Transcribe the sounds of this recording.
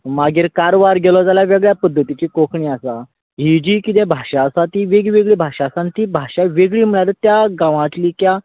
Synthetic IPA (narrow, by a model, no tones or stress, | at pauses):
maɡiːɾkaɾoʋaɾɡelɔd͡zaljaʋeɡɭjapəd̪ʱːət̪it͡ɕiːkokʰɳiːasa | ɦid͡ʑiːkit̪̬ebʱaɕaːsat̪iʋeɡiʋeɡɭiːbʱaʂasãnt̪ibʱaɕaʋeɡɭiːm̤iɭaɾt̪jaɡãʋãt̪liːkja